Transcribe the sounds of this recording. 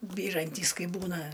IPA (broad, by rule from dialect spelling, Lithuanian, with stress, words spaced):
ˈbʲiːrɐnʲtʲiːs ˈkɐɪ ˈbuːnɐ